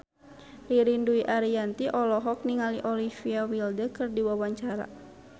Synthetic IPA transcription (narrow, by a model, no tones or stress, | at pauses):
riɾinduiʔaɾiant̪iʔɔlɔɦɔk̚niŋaliʔɔlifiawildəkɨrdiwawaɲt͡ʃaɾa̰